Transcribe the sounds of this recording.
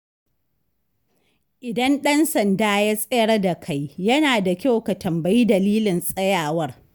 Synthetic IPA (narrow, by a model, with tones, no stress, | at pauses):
ʔɪ˨dɐ˦nɗɐ˦nsɐ˨ndaː˦jaː˦sʼɛ˦jɐ˦rda˨kʰa˦jjɐ˦naː˨da˨kʲa˦wka˨tʰɐ˨mba˦ji˦dɐ˨liː˦lɪ˨nsʼɐ˦jaː˨wɐ˦r